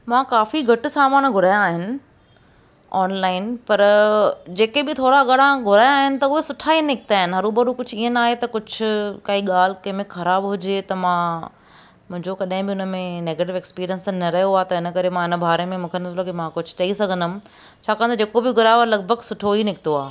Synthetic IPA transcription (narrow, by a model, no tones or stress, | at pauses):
mãːkaːfiɡʱɐʈɪsaːmaːnɡʱʊɾaːjãːɦɪnɪ̆ | aːnlaːɪnpɐɾd͡ʑeːkebɪt̪ʰoːɽaɡɐɽãɡʱʊɾaːjːɦɪnɪ̆t̪ɐʊɦesʊʈʰaːinɪkɪt̪aːɦɪnɪ̆ɦɐɾubɐɾukʊd͡ʑʰʱiːənaːɦet̪ɐkʊd͡ʑʱʊkaːiɠaːl̤ɪkɐ̃ɦmẽxɐɾaːbɦʊd͡ʑet̪ɐmãː | mʊ̃ɦɪ̃ɲd͡ʑokɐɗɦɪ̃bɪʊnəmẽneːɡeːʈɪʋeːkspiːɾijə̃nsnɐɾɐɦjoaːt̪ɐɪnəkɐɾemãɪnəbʱaːɾemẽmũːkʰenɐsʰlokemãkʊd͡ʑʱʊ̥t͡ɕɐisɐɡʱə̃nd̪ʊmɪ̆ | t͡ɕʰaːkɐ̃ʋ̃ə̃nd̪ʰɐd͡ʑeːkobɪɡʱʊɾajʋaːlɐɡ̚bʱəɡsʊʈʰoɦinɪkɪt̪oaː